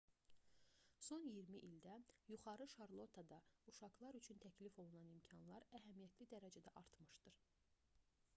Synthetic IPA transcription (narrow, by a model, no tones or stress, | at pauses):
so̞njiɾmiʔild̪æjuχɑɾɯʃɑɾlˠo̞t̪ʰɑd̪ɑuʃɑɡlˠɑɾyt͡ʃʰynt̪ʰæcʰlifo̞lˠunɑnimcʰɑnlˠɑɾæɦæmijæt̪ʰlid̪æɾæd͡ʒæd̪æʔɑɾt̪mɯʃd̪ɯɾ̥